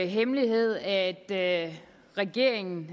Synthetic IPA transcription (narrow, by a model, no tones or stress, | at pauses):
ɦemliɦe̝ð̞̰ˠæd̥ | ʁɛɡ̥e̝ɐ̰eŋn̩